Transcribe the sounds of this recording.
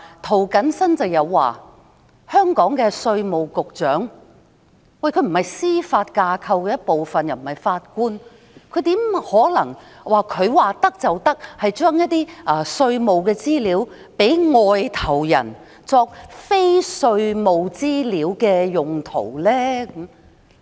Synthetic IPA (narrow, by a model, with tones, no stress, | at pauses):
t̪ʰo˨˩wkɐ˨˥nsɐ˥nt͡sɐ˨wjɐ˨˧wːa̰ː˨ | hœː˥ŋkɔː˨˥ŋkɛː˧sɵ˧ɥmo˨˩wkʊ˨k̚t͡ʃœː˨˥ŋ | wɐ˨˩jkʰɵ˨˧˥m̩˨˩hɐ˨jsiː˥faː˧t̚kaː˧kʰɐ˧wkɛː˧jɐ˥t̚po˨wfɐ˨njɐ˨˩wm̩˨˩hɐ˨jfaː˧t̚kuː˥n | kʰɵ˨˧ɥt̪iː˨˥mhɔː˨˥lɐ̰˨˩ŋ | waː˨˩kʰɵ˨˧ɥwaː˨t̪ɐ˥k̚t͡sɐ˨wt̪ɐ˥k̚hɐ˨jt͡ʃœː˥ŋjɐ˥t̚t̪iː˥ʔɐː˧˩sɵ˧ɥmo˨wkɛː˧t͡siː˥liː˨˥w | pe˨˥jŋɔː˨jt̪ʰɐ˨˩wjɐ̰˨˩n | t͡sɔː˧k̚fe˥jsɵ˧ɥmo˨wt͡siː˥liː˨˥wkɛː˧jʊ˨ŋt̪ʰo̰˨˩wlɛː˥km